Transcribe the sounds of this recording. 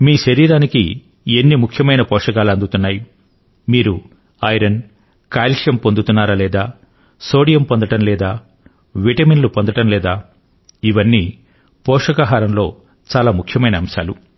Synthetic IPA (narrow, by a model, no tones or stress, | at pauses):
miːʃɐɾiːɾaːnikḭ | enːimukʰjɐmɐjnɐpɔːʂɐkaːluɐnd̪ut̪unːaːju | miːɾu | ɐjɾɐn | kaːlʃjɐmpo̞nd̪ut̪unːaːɾɐlɛːd̪aː | so̞ːɽijɐmpond̪ɐʈɐmlɛːd̪aː | ʋiʈɐminlupo̞nd̪ɐʈɐmlɛːd̪aː | iʋɐnːiː | pɔːʂɐkaɦaːɾɐmlo̞ː | t͡ʃaːlaːmukʰjɐmɐjnɐːmʃa̰ːlu